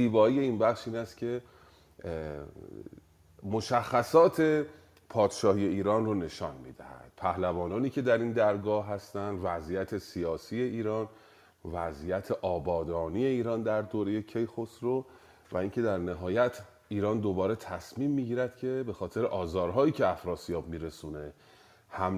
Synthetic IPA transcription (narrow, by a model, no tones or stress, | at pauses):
ziːbɒːije̞inbæxʃiːnæst̪cʰe̞ | mo̞ʃæxːæsɒːt̪ʰe̞ | pʰɒːd̪̥ʃɒːhije̞iːɾɒːnrone̞ʃɒːnmḭːd̪æ̰hæ̰d̪̥̚pʰæhlævɒːnɒːniːcʰe̞d̪æɾind̪æɾɡɒːhɦæst̪ænd̪væzijæt̪ʰe̞siɒːsiːje̞iːɾɒːn | væzijæt̪ʰeʔɒːbɒːd̪ɒːnije̞iːɾɒːnd̪æɾd̪oːɾe̞je̞cʰejxosɾo | væiŋcʰe̞d̪æɾnæɦɒːjæt̪ʰ | iːɾɒːnd̪obɒːɾe̞t̪ʰæsmiːmːiːɟiːɾæd̪̥cʰe̞be̞xɒːt̪ʰe̞ɾeʔɒːzɒːɾɦɒːiːcʰeæfɾɒːsijɒːbmiːɾe̞suːne̞ | hæm